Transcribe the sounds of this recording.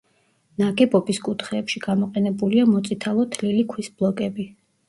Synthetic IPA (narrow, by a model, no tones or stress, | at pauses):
naɡɛbʼɔpiskʼut̪ʰχɛːpʃiɡ̥amɔqʼɛnɛbuliamɔt̪sʼit̪ʰalˠɔt̪ʰlilikʰwisblˠɔkʼɛbi